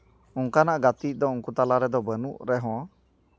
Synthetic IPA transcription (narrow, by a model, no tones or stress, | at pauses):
uŋkanaʔɡat̪id̪ɔuŋkut̪alaɾɛd̪ɔbənuʔɾɛɦɔ̃